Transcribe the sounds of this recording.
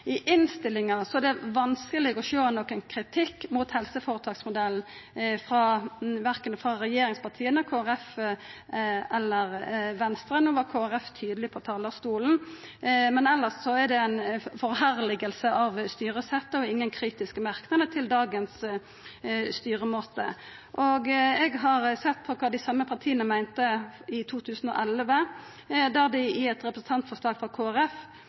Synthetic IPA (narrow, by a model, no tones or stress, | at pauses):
ɪʔɪnst̪ɪlɪŋɑsɔɛd̪ɛʋɑnskəlɪɡɔʃøːnɔkːənkʰɾɪt̪ʰɪkːmuːt̪hɛlsəfoːɾət̪ʰɑːksmʊd̪ɛln̩fɾɑʋæɾkənəfɾɑɾɛjeːɾɪŋspɑʁt̪ʰiːənəkʰoːæɾɛf | ɛlːəʁʋɛnst̪ɾənuːʋɑkʰoːæɾɛft̪ʰyːd̪lɪpʰɔt̪ʰɑːlɑst̪uːln̩ | mɛnɛlːəssɔæd̪ɛænfɔʁhæʁlɪɡəlsəʔɑʋst̪yːɾəsɛt̪ːəɔɪŋːənkʰɾiːt̪ɪskəmɑʁknɑd̪ət̪ʰɪld̪ɑːɡəns | st̪yːɾəmoːt̪ə̰ | ʔɔɡɛɡɦɑʁsɛt̪ːpʰɔkʰɑːd̪ɪsɑmːəpʰɑʁt̪ʰiːənəmæɪnt̪əɪt̪ʰuːt̪ʰʉːsn̩ɔ̰ːʔɛlʋə | d̪æʁd̪ɪɪɛt̪ʁɛpɾəsn̩t̪ʰɑnt̪fɔʂlɑːɡfɔkʰoːæɾɛf